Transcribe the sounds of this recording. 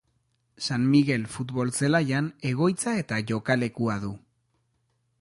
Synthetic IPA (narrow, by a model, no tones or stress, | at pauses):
sanmiɣe̞lfut̪βo̞lt͡se̞lajane̞ɣ̞o̞jt͡sae̞t̪aʝo̞kale̞kuaðu